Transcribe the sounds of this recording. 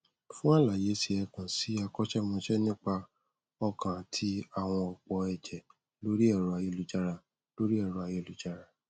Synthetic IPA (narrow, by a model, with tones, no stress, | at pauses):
fũ˦a˦˨la˨je˨˦si˧ɛ˧kã˨si˨˦a˧kɔ˦t͡ʃɛ˦mɔ̃˧ʃɛ˦nĩ˦k͡pa˧ | ɔ˧kã˨tʰi˦a˦˨w̃ɔ̃˧ɔ˨k͡pɔ˧˦ɛ˨d͡ʒɛ˨ | lo˦ɾi˦ɛ˦˨ɾɔ˧a˧je˧˨lu˨˦d͡ʒa˧ɾa˧ | lo˦ɾi˦ɛ˦˨ɾu˧a˧je˧˨lu˨˦d͡ʒa˧ɾa˧